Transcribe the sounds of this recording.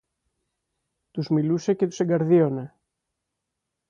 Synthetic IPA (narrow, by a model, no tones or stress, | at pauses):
t̪uzmiluse̞ce̞t̪u̥se̞ɡɐɾðio̞ne̞